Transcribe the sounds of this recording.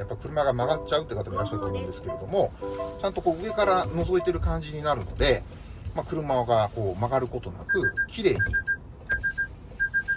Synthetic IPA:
japːaɾʲikɯ̟ɾɯ̟maɡamaɡat͡ɕaɯ̟t̪eɯkat̪amoiɾaɕːaɾ̟t̪ːamẽnd̪e̞sɨ̥ke̞ɾe̞d̪o̞mo̞t͡ɕãnt̪o̞ko̞ːɯ̟e̞kaɾano̞zo̞it̪e̞ɾɯ̟kãɲ̟d͡ʑiɲ̟inaɾɯ̟no̞d̪e̞ | makɯ̟ɾɯ̟maɡako̞ːmaɡaɾɯ̟ko̞t̪o̞na̰kɯ̟kʲʰiɾe̞ːɲ̟ḭ

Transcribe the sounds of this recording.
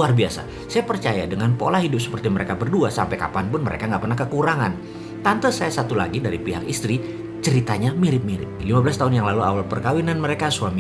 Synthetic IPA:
uarbiasa̰ | sajapərt͡ʃajadəŋanpo̰lahɦidʊp̚sə̥pərt̪iməɾekabərduasa̰mpajka̰panpʊnməɾʔḛkaŋɡaʔpərnahkəkuɾaŋan | t̪ant̪əsajasat̪ula̰ɡidaɾipiɦa̰kist̪ɾi | t͡ʃəɾit̪aɲamiɾɪp̚miɾɪ̰p̚limabəlast̪aɦʊnjaŋlalua̰walpərkawinanməɾekasuami

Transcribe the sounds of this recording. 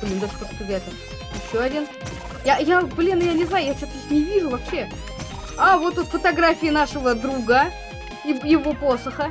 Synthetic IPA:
blʲind̪aʂkot̪sʲɪzʲat̪ʲə | jɪɕːoɐdʲin | jajablʲinjanʲɪznajʊjaft͡ɕosɪsnʲɪvʲiʐʊvɐpɕːe̞ | avo̞t̪ut̪fət̪ɐɡɾafʲɪɪnaʂəvəd̪ɾuɡə | ɪjɪvo̞posəxə

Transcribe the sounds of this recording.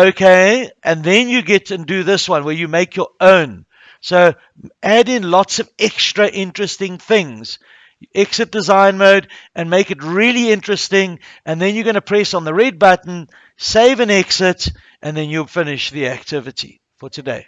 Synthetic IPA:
oʊkʰeɪʔɨ̃nðɛ̃njɨɡɛɾɨ̃ndɨðɪswʌ̃nwə˞jɨmeɪkʰjə˞ʔõʊ̃n | soʊ | ʔæɾɪ̃nlɔtsʌvɛkstɹ̥əʔɪ̃nt͡ʃɹ̥ɨstɪ̃ŋθɪ̃ŋz̥ | jʔɛksɨt̚d̥ɨzãɪ̃nmoʊdʔɨ̃nmeɪkɨt̚ɹɪlˠiɪ̃nt͡ʃɹ̥ɨstɪ̃ŋʔɨ̃nðɨ̃njəɡʌñəpʰɹ̥ɛsn̩ðəɹɛd̚bʌtn̩ | seɪvɨ̃nɛksɨt | ʔɨ̃nðɛ̃njulˠfɪnɪʃðiæk̚tʰɪvɨtḭ | fətʰɨdḛɪ

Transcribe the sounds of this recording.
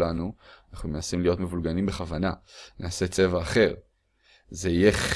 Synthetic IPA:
lanuanaχnumenasimlijo̞t̪me̞vulɡanimbe̞χavananʔaːse̞t͡se̞vaːχe̞ʁ | zeije̞χ

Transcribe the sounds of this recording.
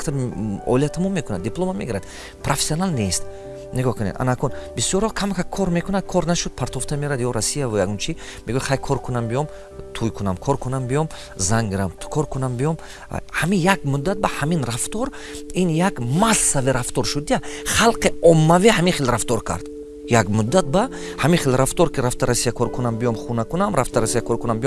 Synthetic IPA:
kt̪ʰaɔ̰liat̪ʰamɔmekʰunad̪ːipʰlˠomamːeɡiɾad̪ | pʰɾofesiɔnalnest̪ | neɡɔhkʰunḛd̪ʔa̰nakʰɔnbisjɔɾhɔkʰamakʰakʰɔɾmekʰunad̪̚kʰɔɾnaʃud̪̚pʰaɾt̪ʰɔft̪ʰameɾad̪jɔɾasijavujaɡunt͡ʃʰimeɡujaχajkʰɔɾkʰunambijɔm | t̪ʰujkʰunamkʰɔɾkʰunambijɔm | zaŋɡiɾamt̪ʰkʰɔɾkʰunambijɔm̰ | hamijaɡmud̪ːat̪̚bahaminɾaft̪ɔɾ | injaɡmasːaviɾaft̪ɔɾʃud̪iaχalqiɔmːavihamiχelɾaft̪ɔɾkʰa̰ɾd̪̥ | jaɡmud̪ːat̪̚ba | hamiχelɾaft̪ɔɾkiɾaft̪ʰaɾasijakʰɔɾkʰunambijɔmχunakunamɾaft̪ʰaɾasijakʰɔɾkunambijɔm

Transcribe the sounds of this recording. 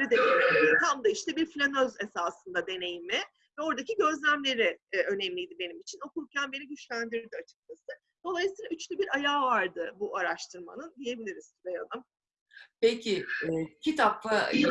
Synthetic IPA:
ɾid̪eejʲɛit̪ʰamd̪aiʃt̪ʰɛbiɾflʲanøze̞saːsɯnd̪ad̪e̞ne̞jimɪ | vɛo̞ɾd̪acʰiɟø̞zlʲæmlʲe̞ɾɪø̞nɛmlʲijd̪ibe̞nimit͡ʃʰino̞kulˠcʰʲænbe̞niɟyt͡ʃlʲænd̪iɾiɾd̪iat͡ʃʰɯ̥k̚t͡ʃʰasɯ | d̪̥o̞lˠajɯsiːlʲˠayt͡ʃlʲybiɾajaːvaɾd̪ɯbuʔaɾaʃt̪ʰɯɾma̰nɯnd̪ije̞bilʲiɾiz̥t̪ʰyɾejad̪ˠɯm | pecʰɪcʰit̪ʰapla

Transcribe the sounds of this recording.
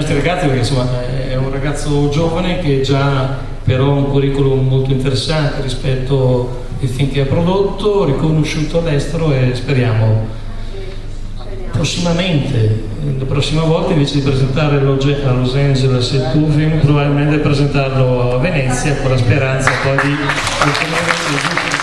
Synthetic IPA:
nɔst̪ɾirɾaɡat̪sːipeɾkeinsomːa | ɛunraɡat̪sːod͡ʒoːvanek̟eɛd͡ʒa | peɾɔɛuŋkuriːkolummolt̪oint̪eɾesːant̪eɾispɛt̪ːo | ilfiŋk̟eapːɾod̪ot̪ːorikonoʃuːt̪oalːɛst̪eɾoespeɾjaːmo | pɾosːimament̪ʰe | lapɾɔsːimavɔlt̪aiɱveːt͡ʃed̪ipɾezent̪aːɾelod͡ʒɛalozɛnd͡ʒeleset̪ufimpɾobabilment̪ed̪ipɾezent̪arloavenɛt̪sːjakonlaspeɾant̪sapɔjd̪i | ult̪imment̪eid͡ʒut̪

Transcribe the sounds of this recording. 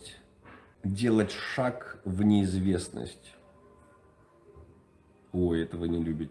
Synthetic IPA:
tʲ | dʲe̞lˠətʲʂakvnʲɪːzvʲe̞snə̰sʲtʲ | ojɛt̪əvɨnʲɪlʲubʲɪtʲ

